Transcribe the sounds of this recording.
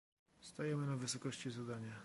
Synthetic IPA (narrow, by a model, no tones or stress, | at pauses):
st̪ajɛmɘnavɘsɔkɔɕt͡ɕizad̪aɲa